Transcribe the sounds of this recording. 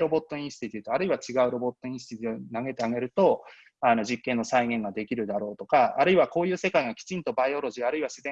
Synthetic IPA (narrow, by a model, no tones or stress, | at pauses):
ɾo̞bo̞t̪ːo̞ĩɕi̥t̪ʲit̪ʲit̪oaɾɯiβat͡ɕiɡaɯ̟ɾo̞bo̞t̪ːo̞ĩɕi̥t̪it̪ʲonaŋe̞t̪eaɡe̞ɾɯ̟t̪o̞ | ano̞ʑikːẽ̞nːo̞saiŋẽ̞ŋɡad̪e̞kʲiɾɯ̟d̪aɾo̞ːt̪o̞kaːɾɯ̟iβako̞ːjɯ̟ːse̞kaiŋakʲi̥t͡ɕĩnt̪obaio̞ɾo̞ʑiaɾɯ̟iβaɕizẽ